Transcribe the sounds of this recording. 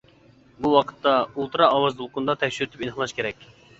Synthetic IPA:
buwɑqʰə̥t̪ːɑulˠt̪ʰɨɾɑːwɑzd̪ulˠqʊnd̪ɑt̪ʰɛfʲʃyɾyt̪ʰypinhlˠɑʃkʲʰeɾɛkʲ

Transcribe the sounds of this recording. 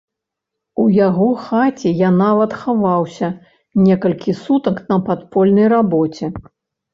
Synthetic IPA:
ujaɣɔxat͡sʲɛjanavɐt̪xavawsʲɐ | nʲɛkɐlʲkʲisut̪ɐknɐpat̪pɔlʲnɐjrabɔt͡sʲɛ

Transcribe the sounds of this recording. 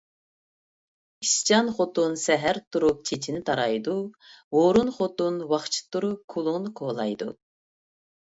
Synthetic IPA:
iʃt͡ʃʰɑnχot̪unsɛɦæɾt̪ʰuɾup̚t͡ʃʰet͡ʃʰinɪt̪ʰɑɾɑjd̪uwoɾunχot̪unwɑχt͡ʃʰi̥t̪ʰuɾup̚kʰːulˠuŋnkʰolˠɑ̰jd̪ṵ

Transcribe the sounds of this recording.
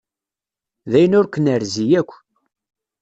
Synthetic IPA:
ðæjənʊɾkʷənəɾzijækʷː

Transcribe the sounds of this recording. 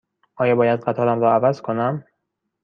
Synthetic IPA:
ʔɒːjɒbɒːjæd̪ɢæt̪ʰɒːɾæmɾɒːævæzkʰonæm

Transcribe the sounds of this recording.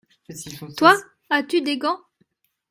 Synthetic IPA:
t̪wa | at̪yd̪eɡɑ̃

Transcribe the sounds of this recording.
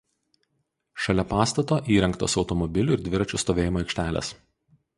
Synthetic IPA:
ʃɐlʲɛpɑːst̪ɐt̪oːʔiːɾʲɛŋkt̪o̰ːsɒʊt̪ɔmɔbʲɪlʲʊɪɾd̪ʲʋʲɪɾɐt͡ʃʲʊst̪oːʋʲeːjɪmoːɛɪkʃʲt̪ʲæːlʲḛs

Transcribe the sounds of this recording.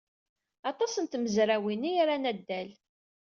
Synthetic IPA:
ɑt̪ˤɑsənt̪məzɾæwiniaɾanæd̪ːæl

